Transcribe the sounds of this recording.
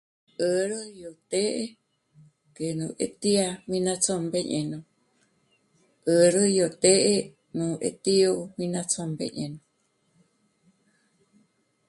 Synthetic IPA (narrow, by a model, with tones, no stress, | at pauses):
ʔə˧ɾɨ˦jo˨t̪e˦ʔe | ke˨nũ˨ʔḛ˧t̪i˦a˧mĩ˧nã˧t͡so˧mbe˧ɲʔẽ˨nõ˧ | ʔə˧ɾɨ˦jo˨t̪e˦ʔe˦ | nũ˨ʔḛ˧t̪i˦o˧mĩ˧nã˧t͡so˧mbḛ˧ɲẽ˨nõ˨